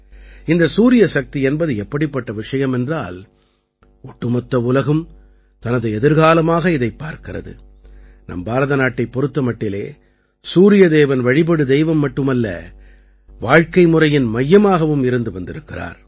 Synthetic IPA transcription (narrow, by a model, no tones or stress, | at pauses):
ɪnd̪ɐsuːɾɪjɐsɐk̚t̪iɛnbɐðɯɛpːɐɽɪpːɐʈːɐʋɪʂɐjɐmɛndraːl | ɔʈːɯmɐt̪ːɐʋʊlɐɣɯm | t̪ɐnɐðɯɛðɪɾɣaːlɐmaːɣɐɪðɐɪpːaːɾkɪrɐ̰ðɯ̰ | nɐ̰mbaːɾɐðɐnaːʈːɐɪpːɔɾɯt̪ːɐmɐʈːɪlḛː | suːɾɪjɐd̪eːʋɐnʋɐɻɪpɐɽɯd̪ɛɪʋɐmːɐʈːɯmɐlːɐ̰ | ʋaːɻkɐɪmʊrɐjɪnmɐjːɐmaːɣɐʋɯmɪɾɯnd̪ɯʋɐnd̪ɪɾɯkːɪra̰ːɾ